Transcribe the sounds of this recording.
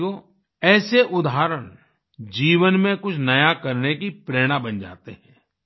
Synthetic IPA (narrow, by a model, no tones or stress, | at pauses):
koː | ɛːseʔʊd̪aːɾəɽ̃ | d͡ʒiːʋənmẽkʊt͡ʃʰnɐjakɐɾnekipɾeːɽ̃abɐnd͡ʒa̰ːt̪eɦɛ̃ː